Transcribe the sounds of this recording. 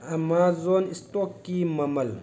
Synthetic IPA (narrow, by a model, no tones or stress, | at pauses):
ɐmaːzonistoːkːimɐmɐl